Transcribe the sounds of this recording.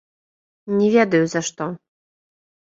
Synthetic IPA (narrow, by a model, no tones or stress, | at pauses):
nʲɛvʲɛd̪ɐjuzɐʂt̪ɔ